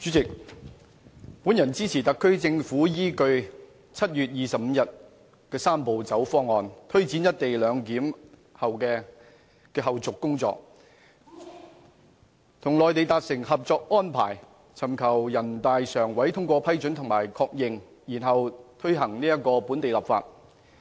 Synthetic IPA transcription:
t͡syː˨˥t͡sɪ˨k̚ | pu˨˥njɐ˨˩nt͡siː˥t͡sʰiː˨˩t̪ɐ˨kʰːɵ˥ɥt͡sɪ˧ŋfuː˨˥jiː˥kɵ˧ɥ | t͡sʰɐ˥t̚jyː˨t̚jiː˨sɐ˨p̚m̩˨˧jɐ˨t̚ | kɛː˧saː˥mpo˨wt͡sɐ˨˥wfɔː˥ŋːɔː˨˧nt̪ʰɵ˥ɥt͡siː˨˥njɐ˥t̚t̪e˨jlœː˨˧ŋkiː˨˥mhɐ˨wkɛː˧ | kɛː˧ɦɐ˨wt͡sʊ˨kːʊ˥ŋt͡sɔ̰ː˧k̚ | t̪ʰʊ˨˩ŋlɔː˨jt̪̬e˨˧jt̪aː˧t̚sɪ˨˩ŋhɐ˨p̚t͡sɔː˧k̚ʔɔː˥npʰaː˨˩j | t͡sʰɐ˨˩mkʰɐ˨˩wjɐ˨˩nt̪aː˨jsœː˨˩ŋwɐ˨˥jt̪ʰʊ˥ŋkʷɔː˧pʰɐ˥jt͡ʃɵ˨˥nt̪ʰʊ˨˩ŋmaː˨˩jkʰɔː˧k̚jɪ˨ŋ | jiː˨˩nɦɐ˨wt̪ʰɵ˥ɥɦɐ˨˩ŋniː˥jɐ˥t̚kɔː˧puː˨˥nt̪e˨jlɐ˨˩pfa̰ː˧t̚

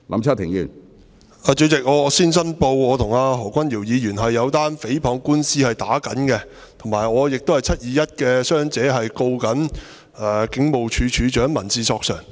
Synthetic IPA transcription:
lʔɐ̰˨˧˥mt͡sʰaː˥t̪ʰɪ˨˩ŋjy̰ː˨˩n | aː˧t͡ʃɵ˨˧t͡sɪ˨k̚ŋɔː˨˧siː˥nsɐ˥npo˧wŋɔː˨˧t̪ʰʊ˨˩ŋaː˧ɦɔː˨˩kʷɐ˥njiː˨˩wjiː˨˧jyː˨˩nɦɐ˨jːɐ˨˧wt̪aː˥nfe˨˥jpʰɔː˨˧ŋkuː˥nsiː˥hɐ˨jt̪a̰ː˨˥kɐ̰˨˥nkɛ˧ | t̪ʰʊ˨˩ŋmaː˨˩jŋɔː˨˧jɪ˨k̚t̪o˥whɐ˨jt͡sʰɐ˥t̚jiː˨˧jɐ˥t̚kɛ˧sœː˥ŋt͡sɛː˨˥ɦɐ˨jko˧wkɐ˨˥n | ʔɛː˨˩kɪ˨˥ŋmo˨wt͡ʃʰyː˨˧˥t͡ʃʰyː˨˧t͡ʃœː˨˥ŋmɐ˨˩nt͡siː˧sɔː˧k̚sœ̰ː˨˩ŋ

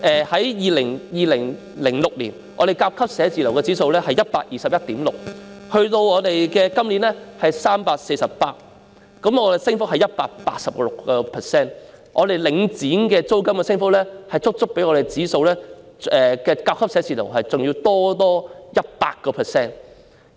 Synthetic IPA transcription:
ʔɛː˨hɐ˨˥jjiː˨lɪ˨˩ŋjiː˨lɪ˨˩ŋ | lɪ˨˩ŋlʊ˨k̚liː˨˩n | ʔɔ̰ː˧ɾe˨˩jkaː˧w̚kʰɐ˥p̚sɛː˨˥t͡siː˨˩lɐ˨˩wkɛː˧t͡siː˨˥so˧wlɛ˥hɐ˨jɐ˥t̚paː˧k̚jiː˨sɐ˨p̚jɐ˥t̚t̪iː˨˥mlʊ˨k̚hɵ˧ɥt̪o˧wɔː˨˧t̪e˨jkɛː˧kɐ˥mliː˨˥nlɛː˥hɐ˨jsaː˥mpaː˧k̚se˧jsɐ˨ppaː˧˥t̚ | kɐ˨˥mɔː˨˧de˨sɪ˥ŋfʊ˥k̚hɐ˨jɐ˥t̚paː˧k̚pa̰ː˧k̚sɐ˨p̚lʊ˨kːɔː˧pʰɛ˨˩sɛː˥n | ʔɔː˨˧d̪e˨jlɪ˨˥ŋt͡siː˨˥nkɛː˧t͡so˥wkɐ˥mkɛ˧sɪ˥ŋfk̚lɛ˥hɐ˨jt͡sʊ˥k̚t͡sʊ˥k̚pe˨˥jŋɔː˨˧e˨jt͡siː˨˥so˧wlɛː˥ | ɛ˨kɛː˧kaː˧w̚kʰɐ˥psɛː˨˥t͡siː˨lɐ̰˨˩wɦɐ˨jt͡sʊ˨ŋjiː˧wt̪ɔː˥t̪ɔː˥jɐ˥t̚pa̰ː˧k̚kɔː˧pʰɛ˨sɛː˥n

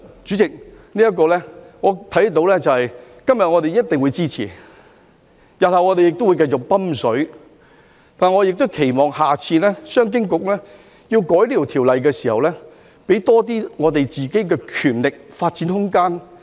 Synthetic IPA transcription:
t͡syː˨˥t͡sɪ˨k̚ | niː˥ɐ˥kɔː˧lɛː˥ŋɔː˨˧t̪ʰɐ˨˥jt̪o˨˧wlɛː˥t͡sɐ˨whɐ˨j | kɐ˥mjɐ˨t̚ŋɔː˨˧t̪e˨jɐ˥t̚t̪ɪ˨ŋwu˨˧jt͡siː˥t͡sʰḭː˨˩ | jɐ˨˩nhɐ˨˩wŋɔː˨˧t̪e˨jɪ˨k̚t̪o˥wu˨˧jkɐ˧jt͡sʊ˨k̚pɐ˥msɵ˨˥ɥ | t̪aː˨nŋɔː˨˧jɪ˨k̚t̪ʊ˥wkʰe˨˩jmɔː˨ŋhaː˨t͡sʰiː˧lɛː˥sœː˥ŋk̬ɪ˥ŋkʊ˨k̚lɛː˥ | ji˧wkɔː˨˥jliː˥˨˩t̪ʰiː˨˩wlɐ˨jkɛː˧siː˨˩hɐ̰˨wlɛː˥ | pe˨˥jt̪ɔː˥t̪̬iː˥ŋɔː˨˧t̪e˨jt͡siː˨ke˨˥jkɛː˧kʰyː˨˩nlɪ˨k̚faː˧t̚t͡siː˨˥nhʊ˥ŋkaː˥n

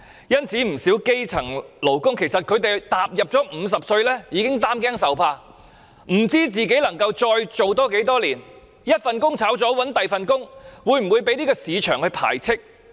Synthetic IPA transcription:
jɐ˥nt͡sʰiː˨˥m̩˨˩siː˨˥wke˥jt͡sʰɐ˨˩ŋlo˨˩wkʊ˥ŋkʰe˨˩jsɐ˨t̚kʰɵ˨˧ɥt̪e˨jt̪aː˨p̚jɐ˨p̚t͡sɔː˨˥m̩ː˨˧s̬ɐ˨p̚sɵ˧ɥlɛː˥jiː˨˧kɪ˥ŋt̪aː˥mk̬ɛː˥ŋsɐ˨wpʰaː˧ | m̩˨˩t͡siː˥t͡siː˨k̬e˨˥jlɐ˨˩ŋkɐ˧wt͡sɔː˧jt͡so˨wt̪ɔː˥ke˨˥jt̪ɔː˥liː˨˩n | jɐ˥t̚fɐ˨nkʊ˥ŋt͡sʰaː˨˥wt͡sɔː˨˥wɐ˨˥nt̪ɐ˨jfɐ˨nkʊ˥ŋwuː˨˧jm̩˨˩wuː˨˧jpe˨˥jliː˥kɔː˧siː˨˧t͡ʃʰœː˨˩ŋhɵ˧pʰa̰ː˨˩jt͡sʰɪ˥k̚

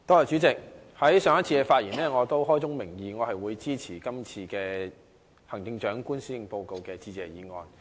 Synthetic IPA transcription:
t̪ɔː˧jɔ˨t͡ʃyː˨˥t͡sɪ˨k̚ | hɐ˨˥jsœː˨˧ŋɐ˥t̚t͡sʰiː˧kɛ˧faː˧t̚jiː˨˩nɛː˥˩ŋɔː˨˧t̪o˥wɦɔː˥jt͡sʊ˥ŋmɪ˨˩ŋjiː˨˧ŋɔː˨˧hɐ˨jwuː˨˧jt͡siː˥t͡sʰiː˨˩kɐ˥mt͡sʰiː˧kɛː˧ | hɐ˨˩ŋt̪ɪ˧ŋt͡ʃœː˨˥ŋkuː˥nsyː˥jɪ˨˧ŋpo˧wko˨wkɛː˧t͡siː˧t͡sɛː˨jiː˨˧ŋɔː˨˧n

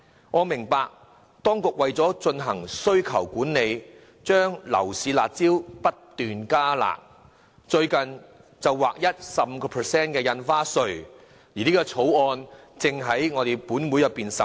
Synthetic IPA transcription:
ŋɔː˨˧mɪ˨˩ŋpaː˧k̚ | t̪ɔː˥ŋkʊ˨k̚wɐ˨jt͡sɔː˨˥t͡ʃɵ˧nɦɐ˨˩ŋsɵ˥ɥkʰɐ˨˩wkuː˨˥nːe˨˧j | t͡ʃœː˥ŋlɐ̰˨˩wsiː˨˧la̰ː˨t̚t͡siː˥wpɐ˥tt̪yː˨nkaː˥la̰ː˨k̚ | t͡ʃɵ˧ɥkɐ˨n | t͡sɐ˨wwaː˨˩k̚jɐ˥t̚sɐ˨p̚m̩˧kɔː˧pʰəː˨˩sɛː˥nkɛː˧jɐ˧nfaː˥sɵ˨˧ɥ | jiː˨˩niː˥ɡɔː˧t͡sʰo˨˥wɔː˧n | t͡sɪ˨ŋɦɐ˨˥jŋɔː˨˧ɾe˨jpuː˨˥nwu˨˥jɐ˨pːiː˨nsɐ˨

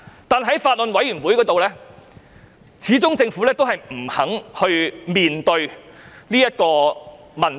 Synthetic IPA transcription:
t̪aː˨nɦɐ˨˥jfaː˧t̚lɵ˨nwɐ˨˥jyː˨˩nwuː˨˥jkɔː˨˥t̪o˨wlɛː˥ | t͡sʰiː˨˥t͡sʊ˥ŋt͡sɪ˧ŋfuː˨˥lɛː˥t̪o˥wɦɐ˨jm̩˨˩hɐ˨˥ŋhɵ˧ɥmiː˨nt̪ɵ˧ɥniː˥jɐ˥t̚kɔː˧ | mɐ˨˩n

